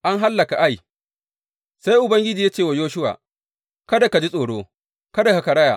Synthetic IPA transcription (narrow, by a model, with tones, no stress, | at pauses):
ʔa˦ŋɦa˦lːɐ˨ka˨ʔa˦j | sa˦jʔʊ˨bɐ˦ŋɡʲɪ˦d͡ʒiː˨ja˦t͡ʃeː˦˨wa˨joː˦ʃʊ˦wa̰ː˨ | kɐ˦da˨ka˨d͡ʒi˦sʼoː˨ɽoː˦ | kɐ˦da˨ka˨ka˨ɽɐ˦ja̰˨